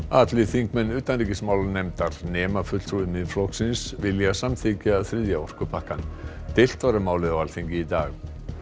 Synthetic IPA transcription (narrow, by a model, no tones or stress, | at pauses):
at̪lɪθiŋkmɛnːʏːt̪anriːcɪsmaːwlanɛjmt̪aɾ̥nɛːmafʏt̪l̥t̪ʰɾuɪmɪnflɔhksɪnsvɪljasamθɪcaaðθɾɪðjaɔr̥kʏpʰahkant̪ɪl̥t̪vaɾamaːwlɪðawalθiɲcɪit̪aːx